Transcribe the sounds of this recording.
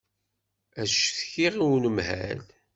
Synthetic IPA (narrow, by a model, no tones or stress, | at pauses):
æʃθçiʁiwnəmhæ̰l